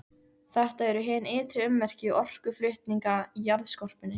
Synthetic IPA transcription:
θɛht̪aɛɾʏɦɛːnɪːt̪ɾɪʏmːɛr̥cɪʔɔr̥kʏflʏht̪niŋkaijaɾðskɔr̥pɪnɪ

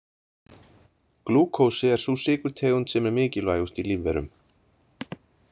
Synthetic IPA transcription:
kluːkʰowsɪɛɾ̥susɪːkʏɾ̥t̪ʰɛːɣʏnt̪sɛmɛɾmɪːcɪlvaːjust̪iliːvɛ̰ɾʏ̰m

